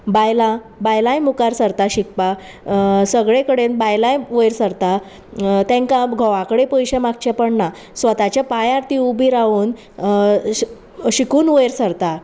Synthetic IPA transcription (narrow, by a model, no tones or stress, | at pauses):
bajlã | bajlãjmukaɾsəɾt̪aɕikpa | səɡɭekəɽenbajlajʋəjɾsəɾt̪a | t̪ɛ̃ŋkaɡʱɔʋãkəɽepəjɕemak̚t͡ɕɛpəɳna | sʋət̪at͡ɕjapajaɾt̪iubiɾaʋuːn | ɕikuːnʋəjɾsəɾt̪a